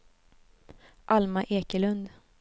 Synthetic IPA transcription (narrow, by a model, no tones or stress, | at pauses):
ʔalmaʔeːkəlɵnd̪